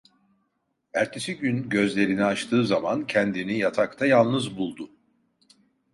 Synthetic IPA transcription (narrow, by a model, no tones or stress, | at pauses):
æɾt̪ʰesiɟynɟø̞zlʲe̞ɾiniat͡ʃt̪ʰɯːzamancʰɛnd̪inijat̪ʰakt̪ʰajalˠnɯzbulˠd̪ʊ